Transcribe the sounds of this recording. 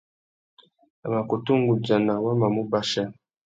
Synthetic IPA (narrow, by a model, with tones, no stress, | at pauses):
a˨ma˨ko˨tu˦ŋ˦ɡu˨d͡ʒa˨na˨wa˦ma˨mu˦ba˦ʃa˦